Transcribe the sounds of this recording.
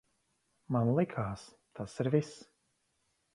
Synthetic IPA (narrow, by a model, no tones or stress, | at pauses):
manlˠikʰaːs | t̪ʰasiɾvis